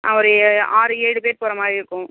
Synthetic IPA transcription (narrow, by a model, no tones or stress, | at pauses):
a̰ʋɔɾɯaːɾɯeːɽɯpeːɾpoːɾɐmaːɪɾɯkːʊ̃